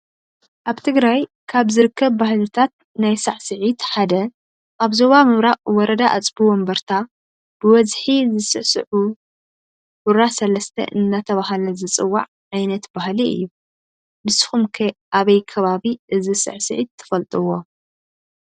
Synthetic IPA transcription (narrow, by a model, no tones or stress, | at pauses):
ʔaβt̪ʰɨɡɾaj | kʰaβzɨɾɨkʰːɐβːahlɨt̪ʰat̪̚ | najsa̰ʕsɨʕit̪ħad̪ɐ | ʔaβzo̞βamɨβɾaʔʼwɔɾɐd̪aʔat͡sʼbuwɔmbɐɾt̪ʰa | b̥ɨwɐzħizɨsɨʕsɨʕu | buɾasɐlɐst̪ʰɐ̰ʔɨnːat̪ʰɐβaɦlɐzɨt͡sʼɨwːa̰ʕ | ʕajnɐt̪bahliɨ̰jːu | bɨsxumkʰɐʔaβɐjkʰɐβaβiʔɨzisɨ̰ʕsɨ̰ʕit̪ʰːɨ̥fɐlt̪ʼɨwo̞